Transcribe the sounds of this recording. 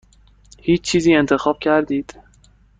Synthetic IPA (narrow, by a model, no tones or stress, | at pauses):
hit͡ʃːiziɛ̃nt̪əxɔp̚kʰʲaɾd̪it̪